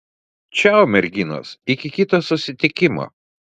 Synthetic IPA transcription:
t͡ʃʲɛʊmʲɛɾʲɡʲɪno̰ːsɪkʲɪkʲɪt̪ɐsʊsʲɪt̪ʲɪkʲɪmo̰ː

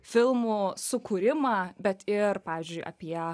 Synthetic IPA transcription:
fʲɪlˠmusʊkuːɾʲɪmɑbʲɛt̪ɪrpɑːʋʲiːzʲd͡ʒʲʊɪʔɐ̰pʲiɛ

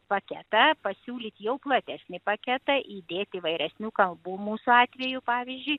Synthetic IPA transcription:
pɐkʲɛt̪ɐpɐsʲuːlʲiːt̪ʲjɛʊplˠɐt̪ʲæsʲnʲɪpɐkʲɛt̪ɐʔiːd̪ʲeːt̪ʲiːʋɐɪɾʲɛsʲnʲuːkɐlˠbuːmuːsʊɑːt̪ʲʋʲɛːjʊpɑːʋʲizʲd͡ʒʲʊɪ

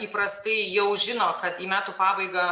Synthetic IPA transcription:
iːpɾɐst̪ɐɪjɛʊʒʲɪnoːkɐt̪iːmʲæːt̪uːpɑːbɐɪɡɐ

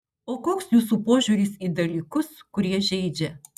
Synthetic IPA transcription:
oːkoːksjuːs̬uːpoːʒʲuːɾʲiːsid̪ɐlʲiːkʊskʊɾʲiɛʒʲɛɪd͡ʒʲɛ

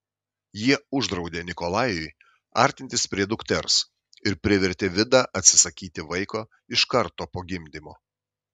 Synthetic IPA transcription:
jiɛʊʒd̪ɾɒʊd̪ʲeːnʲɪkɔlˠɑːjʊɪ | ɑ̰ːˑɾʲt̪ʲɪnʲt̪ʲɪspʲɾʲiɛd̪ʊkt̪ʲɛɾs | ɪɾpʲɾʲɪʋʲɛɾʲt̪ʲeːʋʲɪd̪ɑːʔɐt̪ʲsʲɪ̥sɐkʲiːt̪ʲɪʋɐɪkoː | ɪʃkɐɾt̪oːpoːɡʲɪmʲd̪ʲɪmoː

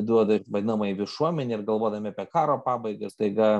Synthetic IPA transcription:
d̪uɔd̪ɐʋɐd̪ʲɪnɐmɐiʋʲɪʃuɔmʲɛnʲɛɪrɡɐlˠʋoɔd̪ɐmʲɪɐpʲiɛkɑːɾoːpɑːbɐɪɡɐst̪ɐɪɡɐ

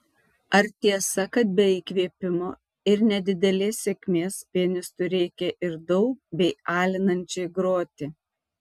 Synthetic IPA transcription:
ɐɾt̪ʲiɛsɐkɐt̪̚bʲɛiːkʋʲiɛpʲɪmoː | ɪɾnʲɛd̪ʲɪd̪ʲɛlʲeːssʲekʲmʲeːspʲiɛnʲɪst̪ʊɾʲɛɪkʲɛʔɪɾd̪ɔʊk̚bʲɛɪʔɑːlʲɪnɐnʲt͡ʃʲoɪɡɾoːt̪ʲɪ

